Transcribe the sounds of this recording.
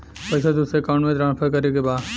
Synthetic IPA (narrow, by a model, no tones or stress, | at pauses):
pɐɪsad̪ʊseːkãːɳmẽt̪ɾãːnpʰəɾkɐɾekebaːd̪